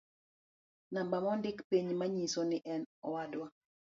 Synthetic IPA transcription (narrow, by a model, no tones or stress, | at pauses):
nambamɔndɪkpiɲmaɲisonɪʔɛnɔwadwa